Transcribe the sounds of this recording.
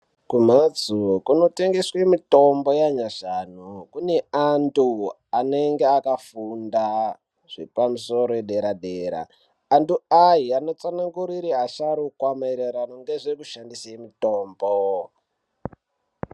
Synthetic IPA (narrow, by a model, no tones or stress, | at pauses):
kumad͡zukuno̞te̞ŋɡeswemito̞mbo̞jaɲaʐanokune̞antu | aneŋɡeakafunda | ʐ̥ipamuso̞ɾoeɗeɾaɗeɾa̰ː | ntuaɦiano̞t͡sanaŋɡuɾiɾiɦaʃaɾukwamaeɾeɾanoŋɡe̞ʐe̞kuʃandisaemito̞ːmbo